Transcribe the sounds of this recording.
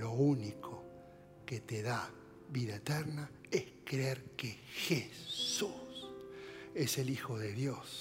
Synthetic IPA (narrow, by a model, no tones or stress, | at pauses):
lo̞unikʰo | ket̪eða | βiðaet̪eɾna | eskɾeeɾkexesus | e̞selixoðeðjo̞s